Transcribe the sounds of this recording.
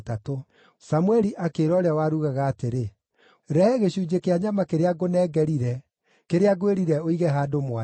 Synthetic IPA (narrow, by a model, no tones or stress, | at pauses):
tato | samwɛɾiʔakeɾɔːɾeawaɾuɣaɣaːteɾe | ɾɛɣeɕuːd͡ʑekeaɲamakeɾeaɡonɛːɡɛɾiɾɛ | keɾeaɡoeɾiɾɛoiɣɛɦaːdomwa